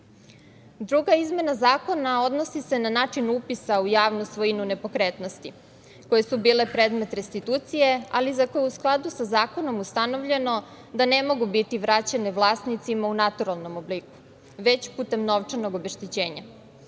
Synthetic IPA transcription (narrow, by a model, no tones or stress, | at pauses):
d̪ɾuɡaizme̞nazaːko̞nao̞d̪no̞sisenanaːt͡ʃinupisaujaːʋnusʋo̞inune̞po̞kɾet̪no̞st̪i | ko̞jesubiːle̞pɾeːd̪me̞t̪ɾe̞st̪it̪uːt̪sije̞a̰lizakojeusklˠad̪usazaːko̞no̞must̪ano̞ʋʎe̞no̞ | d̪anemo̞ɡubit̪iʋɾat͡ɕeneʋlˠaːsnit̪simaunat̪uɾalˠno̞mobliku̥ | ʋe̞t͡ɕpuːt̪e̞mno̞ʋt͡ʂanoɡo̞beʃt̪it͡ɕeːɲa̰